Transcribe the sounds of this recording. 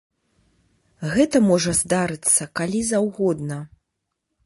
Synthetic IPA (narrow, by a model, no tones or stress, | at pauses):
ɣɛt̪ɐmɔʐɐzd̪aɾɨt̪sːɐkalʲizawɣɔd̪nɐ